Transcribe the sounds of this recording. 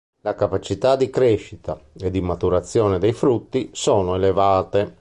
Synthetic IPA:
lakapat͡ʃit̪ad̪ikɾɛʃːit̪a̰ed̪ːimat̪uɾat̪sːjɔːned̪ejfɾut̪ːisɔːnoelevaːt̪e

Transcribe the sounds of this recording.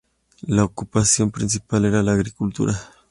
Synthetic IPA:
laokupasjo̞mpɾins̬ipaleɾalaːɣɾikult̪ṵɾa

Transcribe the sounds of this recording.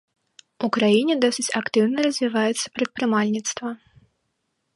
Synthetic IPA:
ukɾajinʲɛd̪ɔsɨt͡sʲakt̪ɨwnɐrɐzʲvʲivajɛt̪sːɐ̥pɾɐt̪̚pɾɨmalʲnʲit̪st̪vɐ

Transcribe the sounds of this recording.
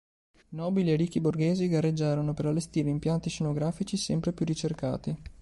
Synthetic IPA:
nɔːbilierikːiborɡeːziɡarːed͡ʒːaːɾonopeɾalːest̪iːɾeimpjant̪iʃenoɡɾaːfit͡ʃisɛmpɾepjurit͡ʃerka̰ːt̪i

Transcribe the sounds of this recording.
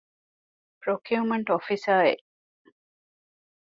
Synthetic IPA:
pɾokjuːmɐɳʈofisaːḛʔ

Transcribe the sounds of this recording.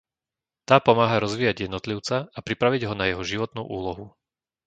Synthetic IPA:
t̪aːpɔmaːɦaɾɔzʋiːjaɟjɛd̪nɔt̪liʊt͡saapɾipɾaʋiɟɦɔnajɛɦɔʒiʋɔt̪nṵːʔuːlɔɦu

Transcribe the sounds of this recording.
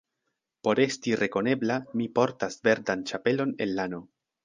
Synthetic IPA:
po̞ɾe̞stirʔe̞ko̞ne̞blamipo̞ɾtasve̞ɾdant͡ʃape̞lo̞ne̞nːano̞

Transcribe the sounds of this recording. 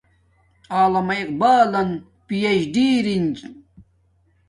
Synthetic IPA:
aːlɐmɐiq̚baːlɐn | pijeɕɖiːɾind͡ʑ

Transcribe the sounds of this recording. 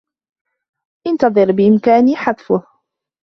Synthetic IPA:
ʔɪnt̪ɑðˤɨɾbɪʔɪmkaːniːħaðˤfʊh

